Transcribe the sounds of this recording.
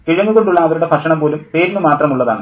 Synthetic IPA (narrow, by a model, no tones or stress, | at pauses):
kiɻɐŋːuɣo̞ɳɖuɭːɐːʋɐɾuɽe̞pʰɐʂɐɳɐmpo̞ːlumpe̞ːɾinumaːt̪rɐmuɭːɐða̰ːɳɨ